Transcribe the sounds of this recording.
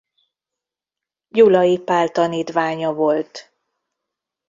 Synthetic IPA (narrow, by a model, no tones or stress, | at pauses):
julɒjipaːlt̪ɒniːt̪ʋaːɲɒvo̞lt̪